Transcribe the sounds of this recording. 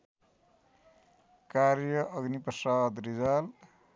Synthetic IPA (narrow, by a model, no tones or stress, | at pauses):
kaɾjʌʔʌɡniprʌsad̪ɾid͡zal